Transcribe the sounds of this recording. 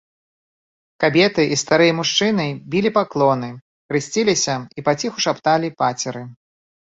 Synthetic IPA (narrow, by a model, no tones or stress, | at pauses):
kabʲɛt̪ɨʔist̪aɾɨjɐmuʂt͡ʂɨnɨbʲilʲipaklˠɔnɨ | kɾɨsʲt͡sʲilʲisʲɐipat͡sʲixuʂapt̪alʲipat͡sʲɛɾɨ